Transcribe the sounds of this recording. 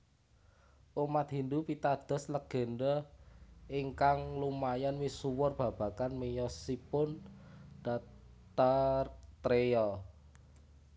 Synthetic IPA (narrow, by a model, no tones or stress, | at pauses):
ʔumat̪̚ɦi̤nd̪upit̪ad̪̥ɔ̤sləɡ̥ə̤nɖɔ | iŋkaŋlumajanwisuwɔrb̥ä̤b̥a̤kanmejɔsipʊnd̥a | t̪art̪ɾejɔ